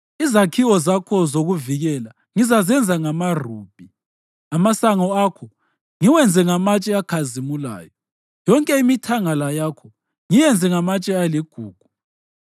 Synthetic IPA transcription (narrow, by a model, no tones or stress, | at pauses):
izakʰiwɔzakʰɔzoɣuviɣɛla | ŋizazɛnd͡zʱaŋamaruːb̥ʱi | amasaŋɔakʰɔ | ŋiwɛnd͡zʱɛŋamat͡ʃʼɛakʰazimula̰ːjɔ | jɔŋkʼɛimitʰaŋalajaːkʰɔ | ŋijɛnd͡zʱɛŋamat͡ʃʼɛaliɡ̥ʱuːɡ̥ʱu